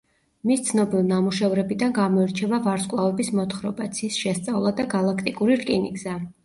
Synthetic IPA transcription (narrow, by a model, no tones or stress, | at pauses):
mist̪sʰnɔbilˠnamuʃɛvɾɛbid̪anɡamɔɛɾt͡ʃʰɛvavaɾskʼlˠavɛbismɔt̪ʰχɾɔbat̪sʰiːsʃɛst̪sʼavlˠad̪aɡalˠakʰt̪ʼikʼuɾiɾkʼinḭɡza